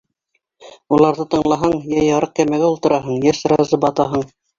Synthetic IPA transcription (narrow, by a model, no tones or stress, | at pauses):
ulˠɑɾðɤt̪ɤ̆ɴlˠɑɦɑɴjæjɑɾɤq̚kæmæɡæulˠt̪ɤ̆ɾɑɦɤɴjæʃɾɑzɤbɑt̪ɑɦɤɴ